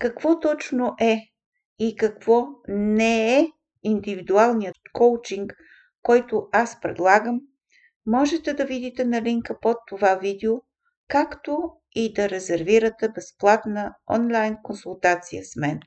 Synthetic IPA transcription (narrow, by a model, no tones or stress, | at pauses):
kɐkv̥ɔt̪ɔt͡ʃnoʔɛ | ikɐkv̥ɔnɛɛ | ind̪ivid̪ualˠnijət̪kowt͡ʃiŋk | kːɔjt̪ʊaspɾɛ̰d̪lˠaɡəmː | ɔʒɛt̪ɛd̪ɐvid̪it̪ɛnɐliŋkəpot̪ːovavid̪ɛo | kakt̪o | id̪ɐɾɛzɛɾviɾət̪ɛbɛsplˠat̪nəɔ̰nlˠajnkonsulˠt̪at̪sijə̰smɛn